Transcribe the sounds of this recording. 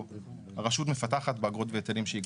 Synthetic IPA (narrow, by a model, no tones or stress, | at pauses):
aʁaʃut̬me̞fataχat̪beaɡʁot̪veetelimʃei